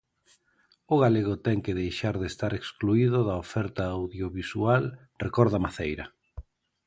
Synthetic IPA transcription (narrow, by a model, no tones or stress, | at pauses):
ʊɣaleɣ̞ʊt̪ɛŋkɪðejʃaɾðest̪aɾekskluiðʊðɐofɛɾt̪aːwðjoβisual | rekɔɾðɐmaθejɾɐ